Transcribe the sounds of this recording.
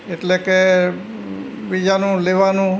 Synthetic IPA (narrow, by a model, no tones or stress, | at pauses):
eʈleke | ʋid͡ʒanũleʋanũ